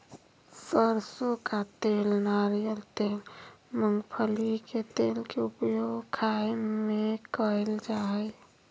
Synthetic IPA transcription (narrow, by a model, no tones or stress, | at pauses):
səɾsokat̪elnaɾijəlt̪elməŋɡpʰəliket̪elkeupjoɡkʰajmekəeld͡ʒaɦɛj